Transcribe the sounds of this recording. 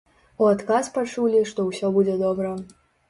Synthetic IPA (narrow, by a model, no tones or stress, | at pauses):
uat̪kaspat͡ʂulʲiʂt̪ɔwsʲɔbud͡zʲɛd̪ɔbɾɐ